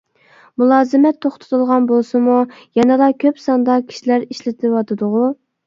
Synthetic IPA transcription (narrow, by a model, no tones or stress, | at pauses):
mulˠɑːzɨmɛt̪ʰːoχt̪ʰɨ̥t̪ʰɨlˠʁɑnbolˠsɨmujɑnɨlˠɑkʲʰøpsɑnd̪ɑkʲʰi̥ʃilæɾiʃlɪt̪ʰɪwɑt̪ʰɨd̪ʊʁu